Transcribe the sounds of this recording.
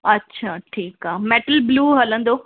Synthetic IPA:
ɐtːʃʰaːʈʰiːkaːɦmeːʈəlbluːɦɐlə̃nd̪oː

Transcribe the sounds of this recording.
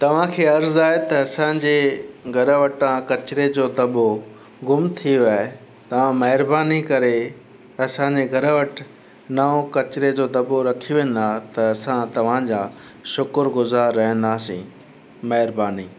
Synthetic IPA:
t̪ɐʋ̤ãkʰeːɐɾzaːet̪ɐɐsãd͡ʑeɡʱɐɾəʋɐʈãkɐt͡ɕɪɾed͡ʑoːd̪ɐbo | ɡʊmt̪ʰijoaːe | t̪ɐʋ̤ãmɐɦɪɾbaːnikɐɾe | ɐsãːɲd͡ʑeɡʱɐɾəʋɐʈ | nɐõkɐt͡ɕɪɾed͡ʑod̪ɐboɾɐkʰijoʋẽːn̆d̪at̪ɐɐsãt̪ɐʋ̤ãd͡ʑaː | ʃʊkʊɾɡʊzaːɾːɐɦə̃n̆d̪aːsḭ̃ː | mɐɦɪɾbaːniː

